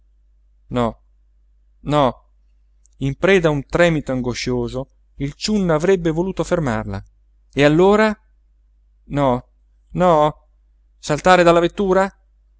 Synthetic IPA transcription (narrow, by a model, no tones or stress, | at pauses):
nɔ | nɔ | impɾɛːd̪aunt̪ɾɛːmit̪oaŋɡoʃoːzo | ilt͡ʃunːavɾɛbːevoluːt̪oferma̰rla̰ | ealːoːɾa | nɔ | nɔ | salt̪aːɾed̪alːavet̪ːuːɾa